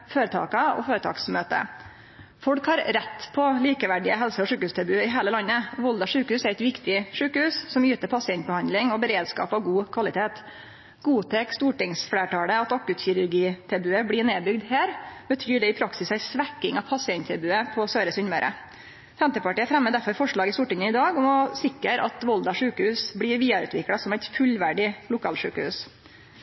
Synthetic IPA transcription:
føːɾət̪ʰɑ̰ːkɑɔ̰føːɾət̪ʰɑ̰ːksmøːt̪ə̰ | fɔɽkhɑɾɾɛt̪ːpʰɔliːkəʋæɖɪəɦɛlsəɔʂʉːkəʉːst̪ʰɑbʉːɪɦeːləlɑnːəʋɔld̪ɑʂʉːkəhʉːsæɾɛt̪ʋɪkt̪ɪʂʉːkəhʉːssɔmjyːt̪əɾpʰɑsɪɛnt̪̚bəhɑnd̪lɪŋɔbəɾeːd̪skɑ̰ːpɑʋɡuːkʰʋɑlɪt̪ʰeːt̪ | ɡ̥uːt̪ʰeːkst̪uːʈɪŋsfleːʈʰɑːləɑt̪ɑkʉt̪çʏɾʉɾɡiːt̪ʰɛbʉːəblɪːɳeːbʏɡd̪hæːɾbət̪ʰyːɖɛɪpʰɾɑksɪsæɪsʋækːɪŋɑʋpʰɑsɪɛnt̪ʰɛbʉːəpʰɔsøːɾəsʏnmœɾʔə̰ | fɛmt̪əpɑʈiːəfɾɛmːəd̪æɾfɔɾfɔʂɭɑːɡɪst̪uːʈɪŋəɪd̪ɑːɡɔmɔsɪkəɾʔɑ̰t̪ʋɔld̪ɑʂʉːkəhʉːsblɪːɾʋiːɑɾʉ̰ːt̪ʰʋɪklɑsɔmæɪt̪fʉlʋæɖɪlʊkʰɑːlʂʉ̰ːkəhʉ̰ːs

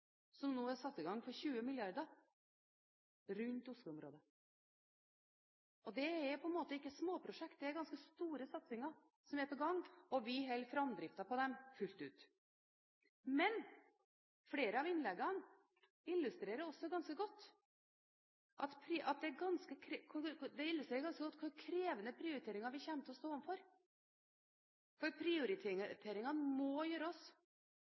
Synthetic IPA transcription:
sɔmnoːæsɑt̪ːɪɡɑŋfɔɾçʉːəmɪljɑɾd̪əɾ | ɾʉnt̪ʊʂlʉɔmɾoːd̪ə | ɔd̪ɛæɾpʰɔɛnmoːt̪əɪkːəsmoːpʰɾʊʂɛkt̪̚d̪ɛæɾɡɑnskəst̪uːɾəsɑt̪sɪŋɑɾ | sɔmæpɔɡɑŋːɔʋɪɦɛlfɾɑmd̪ɾɪft̪ɑpɔd̪ɛmfʉlt̪ʉ̰ːt̪ | mɛn | fɽeːɾəɑʋɪnlɛɡːɑn | ɪlːʉst̪ɾeːɾəɾɔsːɔɡɑnskəɡɔt̪ː | ʔɑt̪pʰɾɪɑt̪̚d̪ɛæɾɡɑnskəkʰɾkʰʊd̪ɛɪlːʉst̪ɾeːɾɡɑnskəɡɔt̪ːkʰʊkʰɾeːʋənəpʰɾɪʊɾɪt̪ʰeːɾɪŋɑɾʋɪçɛːnt̪ʰəɔst̪oːɔʋnfɔɾ | fɔɾpʰɾɪʊɾɪt̪ʰːt̪ʰeːɾɪŋɑnmɔjøːɾəɔs

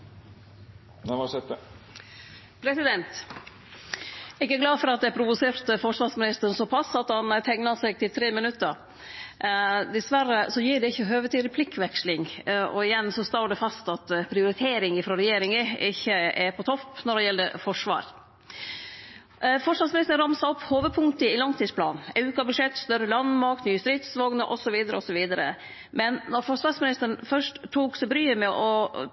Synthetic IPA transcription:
ʋɑsɛt̪ | pʰɾɛsɪd̪ɛnt̪ | ɛɡæɾɡlɑːfɔɾɑt̪̚d̪ɛæpʰɾʊʋʊseːɾt̪əfɔʂʋɑːɾsmɪnɪst̪əɾənsɔːpʰɑsːɑt̪hɑnt̪ʰɛŋnɑɾsɛɡ̚t̪ʰɪlt̪ʰɾeːmɪnʉt̪ːəɾ | d̪ɪsʋæɾəsɔjiːɖɛɪçːəɦøːʋət̪ʰiːd̪ɪpʰlɪkːʋɛkʃlɪŋɔɪjɛnːsɔst̪oːɖɛfɑst̪ɑt̪pʰɾɪʊɾɪt̪ʰeːɾɪŋɪfɾɑɾɛjeːɾɪŋəɪçəɛɾpʰɔt̪ʰɔpːnɔɖɛjɛld̪əfɔʂʋɑ̰ːɾ | fɔʂʋɑsmɪnɪst̪ənɾɑmsɑɔpːhoːʋəd̪̚pʰʊŋt̪əɪlɑŋt̪ʰiːspʰlɑ̰ːnn̩ɛʉːkɑbʉʂɛt̪ːst̪œɾəlɑnmɑk̚t̪nyːəst̪ɾɪt̪sʋɔɡnəʔɔsɔʋiːd̪əɾəɔsɔʋiːd̪əɾə̰ | mɛnnɔɾfɔʂʋɑːsmɪnɪst̪əɳ̩fœʂʈt̪ʰːuːksɛbɾyːəmɛʔɔ

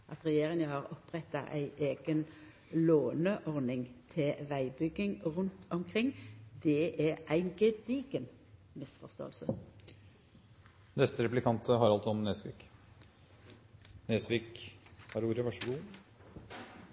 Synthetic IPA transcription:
ʔɑt̪ʁɛjeːʁɪŋəhɑʁɔpʁɛt̪ːɑ̰ʔæɪʔeːɡ̥ən | loːnəʔɔʁnɪŋt̪ʰɛʋæɪbʏɡɪŋʁʉnt̪ʰɔmkʰʁɪŋːd̪̥ɛʔɛʔæɪnɡɛd̪iɡən | mɪsfɔʁst̪o̰ːəlsə | nɛst̪əɾɛplɪkʰɑnt̪ʰəɦɑɾɑlt̪sɔɔmneːsʋḭːk | nesʋikhɑɾuːɾəʋɑʂəɡuː

